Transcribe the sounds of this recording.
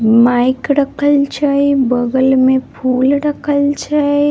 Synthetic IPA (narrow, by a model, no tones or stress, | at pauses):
maːɪkɽəkʰəlt͡ʃaːebəɡəlmẽpʰuːlɽəkʰəlt͡ʃaːe